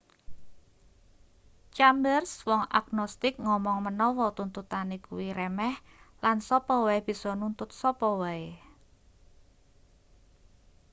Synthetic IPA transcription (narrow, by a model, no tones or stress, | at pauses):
t͡ʃambərswɔŋa̰knɔst̪ɪk̚ŋɔmɔŋmənɔwɔt̪unt̪ut̪anekuwiɾɛmɛh | lansɔpɔwaeb̥i̤sɔnunt̪ʊt̪̚sɔpɔwae